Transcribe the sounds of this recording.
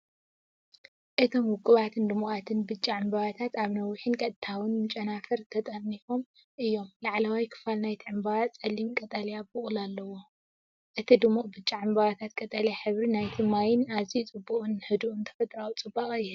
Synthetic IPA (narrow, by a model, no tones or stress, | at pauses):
ʔɨt̪ʰo̞mwʊkʼːɨβat̪ʰɨnd̪ɨmuʔʼat̪ʰɨnbɨt͡ʃʼːiʕɨmbɐβat̪ʰat̪aβnɐwiħinkʼɐt̪̚ʼt̪ʰawɨnmɨt͡ʃʼɐnafɐɾt̪ʰɐt̪ʼɐnːifo̞m | ʔɨjːo̞mlaʕlawajkʰɨ̥falnajt̪ʰiʕɨmbaβat͡sʼɐlimkʼɐt̪ʼɐljabɨʔʼulalːɐwo̞ | ʔɨt̪ʰid̪ɨmːukʼbɨt͡ʃʼːiʕɨmbaβat̪ʰat̪̚kʼɐt̪ʼɐljaħɨβɾinajt̪ʰimajɪnazit͡sʼɨbːukʼɨnhɨd̪uʔɨnt̪ʰɐ̥fɐt̪ʼɾawut͡sʼɨbːaχʼjɪhɨl